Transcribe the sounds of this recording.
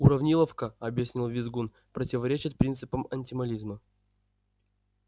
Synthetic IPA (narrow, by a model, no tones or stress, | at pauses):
uɾɐvnʲilˠəfkəɐbjɪsʲnʲilˠvʲɪzɡun | pɾətʲɪvɐɾʲet͡ɕɪt̪̚pɾʲint̪sɨpəmɐnʲtʲɪmɐlʲizmə